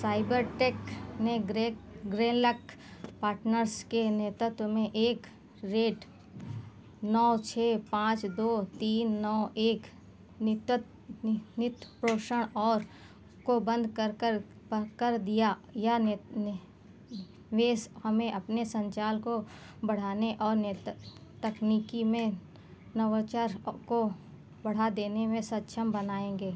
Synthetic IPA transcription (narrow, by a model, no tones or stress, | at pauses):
saːɪbəɾʈeːkneeɡɾeːnlək | paːɾʈnəɾskeneːt̪ɾət̪wəmẽʔeːk | ɾeːʈ | nɔːt͡ʃʰeːpãːt͡ʃd̪oːt̪iːnːɔːeːk | nɪt̪pɾoːʃəɽ̃ɔːɾ | kobə̃nd̪ʱkəɾkəɾ | kəɾd̪ijaja | ʋeːshəmẽʔɐpnesə̃ɲt͡ʃaːlko | bɐɽ̤aːneʔɔːɾnt̪əkniːkimẽ | nəʋət͡ʃəɾko | bəɽ̤ad̪eːnemẽsət̪ːʃʰəmbənaːẽːŋɡeː